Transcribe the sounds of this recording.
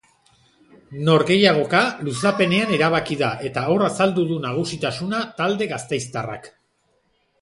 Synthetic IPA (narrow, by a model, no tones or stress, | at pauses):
no̞ɾɣe̞jaɣ̞o̞kalusape̞ne̞ane̞ɾaβ̞akiðaʔe̞t̪ao̞rasald̪uðunaɣ̞usit̪asunat̪ald̪e̞ɣast̪e̞jst̪ara̰k